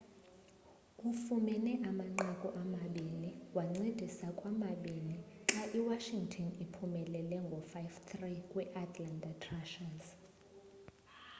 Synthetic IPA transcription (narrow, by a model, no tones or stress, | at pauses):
kʼufumɛnɛʔamaŋ͡ǀakʼɔʔamaɓiniwaŋ͡ǀed̥ʱisakʼwamaɓiniǁaʔiwaʃiŋɡtʰɔnipʰumɛlɛlɛŋɡʱɔfajvt̪ʰrikʼwɛʔat̪ʰʼlandʱʼatʰraʃas